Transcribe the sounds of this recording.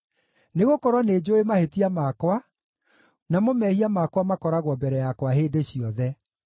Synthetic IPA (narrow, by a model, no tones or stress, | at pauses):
neɣokɔɾwɔned͡ʒoemahetiamakwa | namomɛhiamakwamakɔɾaɣwɔbɛɾɛjakwaɦeːdeɕiɔðɛ